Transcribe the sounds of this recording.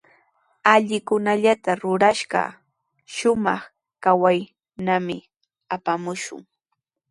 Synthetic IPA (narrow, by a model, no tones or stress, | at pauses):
aʎɪkʊnaʎat̪aɾʊɾaʃɢɑ̰ | ʃʊmɑχ | kawaj | namɪ | apamʊʃʊ̰ŋ